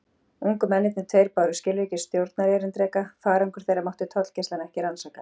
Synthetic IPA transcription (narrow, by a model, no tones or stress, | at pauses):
uŋkʏmɛnːɪt̪nɪt̪ʰejɾpawɾʏscɪːlecɪst̪jowɾt̪naɾjɛɾɪnt̪ɾɛːkafaːɾɛŋkʏɾ̥θejraɾmawht̪ʏt̪ʰɔt̪l̥cest̪anɛhcɪɾansaːka